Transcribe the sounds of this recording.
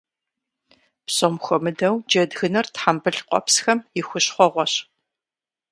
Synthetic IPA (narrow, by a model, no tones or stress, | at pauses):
psomxʷɔmɨdɐwd͡ʒɐdɣɨnɐrtħambɨɬqʷɔ̰psxɐmjɪxʷʊɕχʷɔʁʷɔɕ